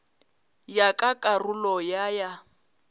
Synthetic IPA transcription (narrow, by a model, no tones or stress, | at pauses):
jakʼakʼarulɔjaja